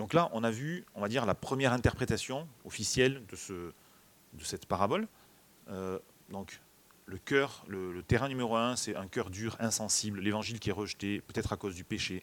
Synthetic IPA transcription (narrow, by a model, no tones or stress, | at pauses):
d̪ɔ̃klaʔɔ̃navyɔ̃vad̪iʁlapχəmjɛʁɛ̃t̪ɛʁpχet̪asjɔ̃ɔfisjɛld̪əsə | d̪əsɛt̪paʁabɔl | ø | d̪ɔ̃k | ləkʲœʁlələt̪eʁɛ̃nymeʁoɛ̃sɛɛ̃kʲœʁd̪yʁɛ̃sɑ̃sibllevɑ̃ʒilkʲiɛʁəʒət̪epøt̪ɛt̪χakozd̪ypeʃe